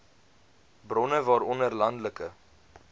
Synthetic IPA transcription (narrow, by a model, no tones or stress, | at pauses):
brɔnəvɑːɾɔnərlɐndləkə